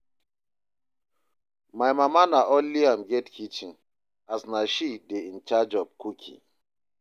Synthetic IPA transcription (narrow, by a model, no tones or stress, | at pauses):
majmamanaʔoliamɡɛtkʰit͡ʃĩn | asnaʃideĩnt͡ʃad͡ʒɔvkʰukʰḭ